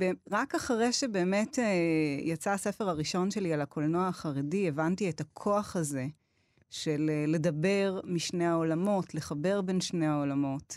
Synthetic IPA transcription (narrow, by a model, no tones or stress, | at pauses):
beʁakaχʁeʃebe̞ːme̞tejat͡saːse̞fe̞ʁaʁiʃo̞nʃe̞lialakolnoaaχaʁedievantietakʰo̞aχaze̞ | ʃelːe̞dɐbe̞ʁmiʃne̞aolamo̞tleχabe̞ʁbe̞nʃne̞hao̞lamo̞t